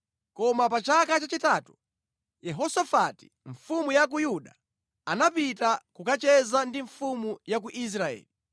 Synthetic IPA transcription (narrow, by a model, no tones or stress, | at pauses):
kɔmapat͡ʃakat͡ʃat͡ʃitatu̥ | jɛɦɔsafati̥ | ɱfumujak̬ujuɗa | anapitakukat͡ʃɛzandiɱfumujak̬uʔis̬ɾaɛ̰ːli